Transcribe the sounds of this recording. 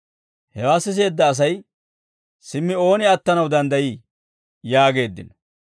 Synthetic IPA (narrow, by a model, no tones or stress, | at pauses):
hɛwaːsːɪs̬e̞ːd̪ːɐːs̬ɐj | sɪmːɪo̞ːnɪɐt̪ːɐnɐwd̪ɐnd̪ɐjiː | jaːɡe̞ːd̪ːɪ̰nɔ